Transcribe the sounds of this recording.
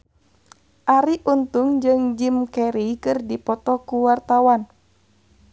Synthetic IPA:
ʔaɾiʔunt̪uŋd͡ʒɨŋd͡ʒimkɛɾikɨrdipɔt̪ɔkuwart̪awan

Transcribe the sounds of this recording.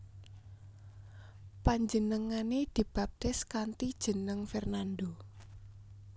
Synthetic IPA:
paɲd͡ʒənəŋaned̪̥i̤b̥ap̚t̪ɪskant̪id̥ʒ̥ə̤nəŋfɛrnand̪o

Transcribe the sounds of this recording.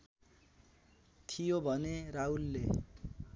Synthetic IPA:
t̪ʰijobʱʌneraulːe

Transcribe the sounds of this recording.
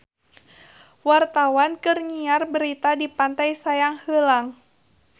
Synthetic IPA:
wart̪awankɨrɲiarbəɾit̪adipant̪ajsajaŋhəlaŋ

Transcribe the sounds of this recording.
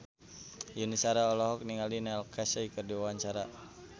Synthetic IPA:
junisaɾaɔlɔɦɔk̚niŋalinɛlkʰasɛikərdiwawaɲt͡ʃaɾa

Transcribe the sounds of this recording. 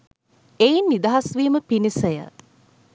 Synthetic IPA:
ejinːid̪aɦasʋiːməpinisəjə̰

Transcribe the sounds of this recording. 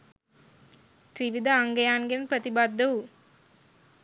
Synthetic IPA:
tɾiʋid̪ɐːŋɡɐjaːŋɡenpɾɐt̪ibaːd̪ːɐw

